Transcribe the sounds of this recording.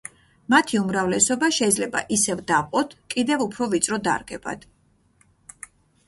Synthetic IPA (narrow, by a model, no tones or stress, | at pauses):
mat̪ʰiumɾavlɛsɔbaʃɛid̪zlɛba̰ʔisɛvd̪aqʼɔt̪ʰkʼid̪ɛvupʰɾɔvit̪sʼɾɔd̪a̰ɾɡɛba̰d̪̥